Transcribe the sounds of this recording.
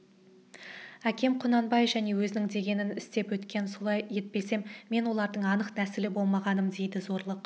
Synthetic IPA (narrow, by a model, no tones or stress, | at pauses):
ækʲe̞mqʰʊnɑnbɑjevʒæne̞wɵzɪnɪŋd̪e̞ɡʲe̞nɪnɪst̪e̞pwɵt̪kʲe̞nso̞lˠɑjje̞t̪̚pe̞se̞mːe̞nwo̞lˠɑɾd̪əɴɑnəqnæsɪlɪbo̞lˠmɑʁɑnəmd̪e̞jd̪ɪzo̞ɾlˠəq